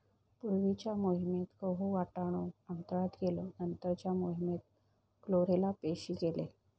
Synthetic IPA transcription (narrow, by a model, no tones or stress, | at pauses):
puɾʋit͡ɕjamoɦimet̪kəɦuʋaʈaɽ̃oant̪əɾat̪ɡeloənt̪əɾt͡ɕjamoɦimet̪̚ | kloɾelapeɕiːkele